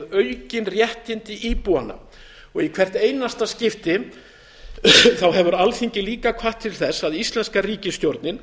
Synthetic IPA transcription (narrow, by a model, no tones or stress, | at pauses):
ðœɥcɪnrjɛht̪ɪnt̪ɪʔiːpuanːa̰ | ɔɣikʰv̥ɛr̥t̪ejnast̪ascɪft̪ɪ | θawɦɛvʏɾalθiɲcɪliːkakʰvaht̪ʰːɪlθɛsːaðist̪lɛnskariːcɪst̪jowɾt̪nɪn